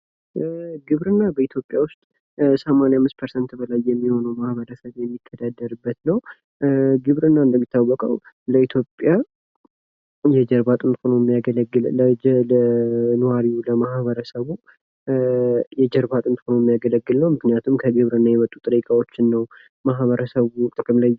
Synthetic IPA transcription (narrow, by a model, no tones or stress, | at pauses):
ɡɨβɾɨnːabəit̪ʰjo̞pʼːjawʊst̪ʼ | səmanejamːɨst̪pʰəɾsənt̪bəlajːɛmːiho̞nəwmahβəɾəsəβjɛmːit̪ʰːəd̪ad̪ːəɾɨbːət̪nəw | ɡɨβɾɨnːaɨnd̪əmːit̪ʰːawːɔkʼə̰w | ləit̪ʰjo̞pʼja | jɛd͡ʒɛɾbat̪ʼɨnt̪fonojɛmːijaɡələɡːɨlələnəwaɾiuləmahβəɾəsəβu | jɛd͡ʒɛɾbat̪ʼɨnt̪fonojɛmːijaɡələɡːɨlnəwmɨknijat̪ʰumkʰəɡɨβɾɨnːajɛmət̪ʼːut̪ʼɨɾikʼawot͡ʃːɪnːəw | maɦβəɾəsəβut̪ʼɨkʼɨmlaj